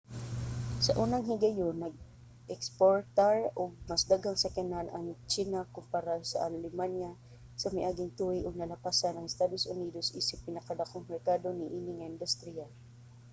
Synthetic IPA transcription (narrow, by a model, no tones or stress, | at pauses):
sɐʔuːnaŋhɪɡɐjonːɐɡ̚ | ʔɛkspoɹt̪aɹʔʊɡ̚mɐsd̪aɡaŋsɛkananʔɐŋt͡ʃiːnakʊmpaɾasɐ̰ʔalɪmanja | sɐmajʔaːɡɪŋt̪uɪʔʊɡ̚nɐlapasanɐŋɪst̪ad̪osʔʊniːd̪osʔiːsɪpːɪnɐkad̪akoŋmɛɹkad̪onɪʔiːnɪŋaɪnd̪ʊst̪ɾia